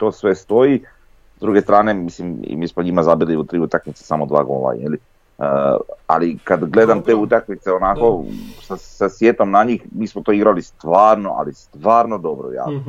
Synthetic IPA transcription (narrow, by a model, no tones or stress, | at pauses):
t̪o̞ːsʋe̞st̪o̞i | zd̪ɾuɡe̞st̪ɾaːne̞mislimḭmiːsmoɲimazabiliut̪ɾiːut̪akmit̪se̥samod̪ʋa̰ːɡo̞̰la̰jeli | əa̰likad̪ɡle̞d̪amt̪eːut̪akmit̪seo̞nako̞sasasʋjeːt̪o̞mnaɲiːxmiːsmot̪o̞ːiɡɾalist̪ʋaːɾno̞ʔa̰list̪ʋaːɾno̞d̪o̞bɾo̰ja̰